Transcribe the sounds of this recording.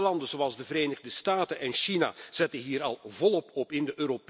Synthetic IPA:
lɑndənzowɑlˠzdəvəɾeːnəɣdəstaːtənʔɛnʃina̰z̥ɛtənɦiːɾɑlˠvɔlˠɔpɔpɪndəʔøːɾop

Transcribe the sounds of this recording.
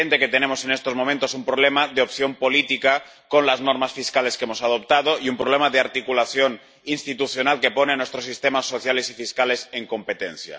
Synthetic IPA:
ent̪eket̪enemosenest̪ozmomẽnt̪osumpɾoβ̞lemaðeopθjo̞mpolit̪ika | konlaznoɾmasfiskale̞skemosað̞op̚t̪að̞oʔiumpɾoβlemaðeaɾt̪ikulaθjon | inst̪it̪uθjonalkeponenwest̪ɾosist̪emasːoθjale̞sifiskale̞seŋko̞mpet̪en̟θja̰

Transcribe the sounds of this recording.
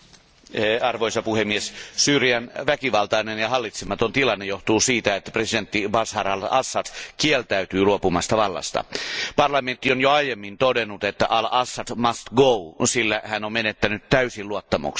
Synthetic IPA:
ɑrʋoisɑpuhemːiessyːrjænʋækiʋɑlt̪ɑinenjɑɦɑlːit̪semɑt̪ont̪ilɑnːejoht̪uːsiːt̪æet̪ːæ̥president̪ːibɑshɑrɑlɑ̰sːɑdkielt̪æyt̪yːluopumɑst̪ɑʋɑlːɑ̰st̪ɑ̰pɑrlɑment̪ːionjoɑjemːint̪odenːut̪et̪ːæ̰ʔɑlɑsːɑdmɑst̪ɡousilːæhænommenet̪ːænyt̪t̪æysiluot̪ːɑmṵks

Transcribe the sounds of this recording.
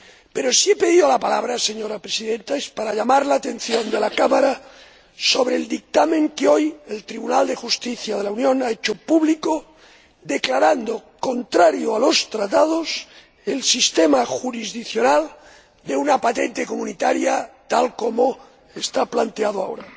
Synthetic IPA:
pe̞ɾosiepe̞ð̞iðolapalaβ̞ɾaseɲo̞ɾapɾesiðent̪aespaɾaʎamaɾlaːt̪e̞nθjond̪e̞lakamaɾa | soβ̞ɾeːld̪ik̚t̪amẽŋkeo̞jelt̪ɾiβunald̪e̞xust̪iθjað̞e̞launjõ̞naet͡ʃopuβliko | d̪eklaɾand̪o̞ko̞nt̪ɾaɾjoalo̞st̪ɾat̪aðos | elsist̪emaxuɾizðikθjonal | d̪e̞unapat̪e̞nt̪e̞komunit̪aɾjat̪alko̞mo | est̪aplant̪eað̞oa̰o̰ɾa

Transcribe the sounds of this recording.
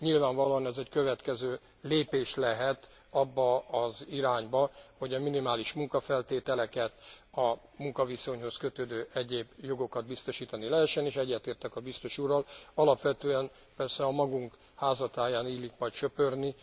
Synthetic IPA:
ɲilvaːɱvɒloːɒnɛzɛckø̞vɛt̪kɛzøː | leːpeːʃlɛɦɛt̪ | ɒbːɒːziɾaːɲbɒho̞ɟɒminimaːliʃmuŋkɒfɛlt̪eːt̪ɛlɛkɛt̪ɒ | muŋkɒviso̞ɲho̞skøt̪øːd̪øːʔɛɟeːbjo̞ɡo̞kɒd̪̚bist̪o̞ʃiːt̪ɒnilɛɦɛʃːɛneːʃɛɟːɛt̪eːrt̪ɛkɒbist̪o̞ʃurːɒlɒlɒpʋɛt̪øːɛn | pɛrsɛɒmɒɡuŋk | haːzɒt̪aːjaːniːlːikmɒjt̪t͡ʃøpørni

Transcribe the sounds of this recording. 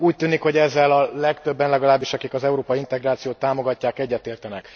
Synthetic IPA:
uːc̚t̪yːnikho̞ɟɛzːɛlɒlɛkt̪ø̞bːɛnlɛɡɒlaːbːiʃɒkikɒzɛuɾoːpɒiint̪ɛɡraːt̪sijoːt̪ːaːmo̞ɡɒcːaːkɛɟːɛt̪eːrt̪ɛnɛk

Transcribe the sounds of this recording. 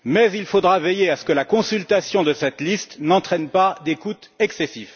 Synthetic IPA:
mɛzilfod̪ʁavɛjeasə̥kəlakɔ̃sylt̪asjɔ̃d̪əsɛt̪list̪nɑ̃t̪χɛnpad̪ekut̪ɛksesif

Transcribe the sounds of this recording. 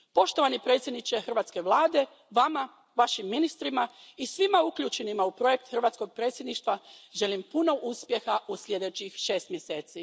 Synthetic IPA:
po̞ʃt̪oʋanipɾet̪sʲjed̪nit͡ʃe̞xr̩ʋaːt̪ske̞ʋlˠaːd̪e̞ | ʋama | ʋaʃimːinist̪ɾimaisʋimaukʎuːt͡ʃe̞nimaupɾo̞je̞k̚t̪xr̩ʋaːt̪sko̞ɡ̚pɾe̞ːt̪sʲjed̪niʃt̪ʋaʒe̞limpuno̞ʔuspje̞xaʔusʎʲje̞d̪e̞t͡ɕixʃe̞ːst̪mjese̞ːt̪si

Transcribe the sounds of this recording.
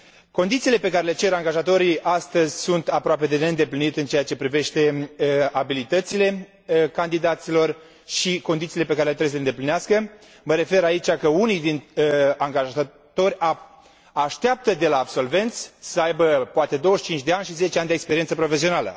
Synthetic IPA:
ko̞nd̪it̪siːle̞pe̞kaɾe̞le̞t͡ʃe̞ɾaŋɡaʒat̪o̞ɾijʔast̪əzʲsunt̪apɾoape̞d̪e̞neɨnd̪e̞plinit̪ɨnt͡ʃejat͡ʃe̞pɾive̞ʃt̪e̞abilit̪ət̪sile̞ | kand̪id̪at̪silo̞r | ʃikond̪it̪sile̞pe̞kaɾeleɾesəleɨnd̪eplineaskə | məɾe̞fe̞ɾait͡ʃakəunijd̪inaŋɡaʒa | t̪o̞ɾʲa | aʃt̪eap̚t̪əd̪e̞laːbso̞lve̞nt̪sʲsəajbəpoat̪e̞d̪owəʃt͡ʃint͡ʃd̪e̞anʃize̞t͡ʃeand̪ekspeɾient̪səpɾo̞fe̞sio̞nalə̰

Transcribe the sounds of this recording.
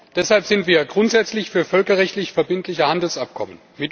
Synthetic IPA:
d̥ɛshalpz̥ɪntv̥iːɐɡʁʊntz̥ɛt͡slɪçfyːɐfœlkɐʁɛçtlɪçfɛɐbɪntʰlɪçəhandl̩sʔap̚kʰɔmən | mɪt

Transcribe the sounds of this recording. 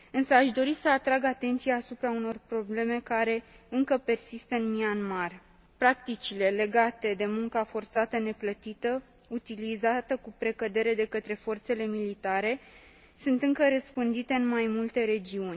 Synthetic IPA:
ɨnsəaʃd̪o̞ɾisəat̪ɾaɡat̪e̞nt̪sijaːsupɾauno̞rpɾo̞ble̞me̞kaɾe̞ɨŋkəpe̞rsist̪əɨnmianmar | pɾak̚t̪it͡ʃile̞le̞ɡat̪e̞d̪e̞muŋkafo̞rt̪sat̪əne̞plət̪it̪ə | ut̪ilizat̪əkupɾe̞kəd̪e̞ɾe̞d̪e̞kət̪ɾe̞fo̞rt̪se̞le̞milit̪aɾe̞ | sunt̪ɨŋkəɾəspɨnd̪it̪e̞ɨnmajmult̪e̞ɾe̞d͡ʒiunʲ

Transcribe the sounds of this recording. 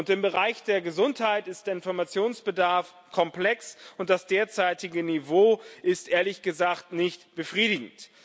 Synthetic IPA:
ʊntɪmbəʁaɪçd̥eːɐɡəzʊnthaɪtɪst̚d̥eːɐɪnfɔɐmat͡sjoːnsb̥ədaɐf | kʰɔmplɛksʊnt̚d̥asd̥eːɐt͡saɪtɪɡənivoːʔɪstʔeːɐlɪçɡ̥əzaːktnɪçtb̥əfʁ̥iːɾɪɡŋ̩t

